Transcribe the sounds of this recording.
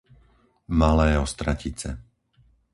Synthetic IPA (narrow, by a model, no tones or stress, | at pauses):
malɛːɔst̪ɾacit͡sɛ